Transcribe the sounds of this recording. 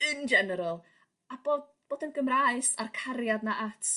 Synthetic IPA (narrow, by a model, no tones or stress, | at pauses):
ɨnd͡ʒɛnəɾalˠ | aboːd | b̥oːdənɡəmraɨsarkʰaɾjadnaʔatʰ